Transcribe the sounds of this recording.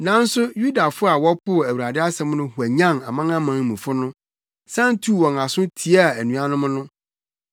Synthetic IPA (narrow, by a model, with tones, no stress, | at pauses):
nã˨˦n̩˦sʊ˦ju˦da˨fʊ˦a˨wɔ˦pʊ˦˨æ˨wu˨ɾa˨dɪ˦a˦sɛ̃˦m˦nʊ̃˦hu˨æ˨ɲã˦˨ŋa˨mã˦ŋã˦mã˨˦ŋ˦mũ˨fʊ˦nʊ̃˦ | sã˦n˦tʰu˦˨wɔ̃˨ŋa˨sʊ̃˦tʰi˨˦a˦˨æ˨nũ˨˦a˦nʊ̃˦mʊ̃˦nʊ̃˦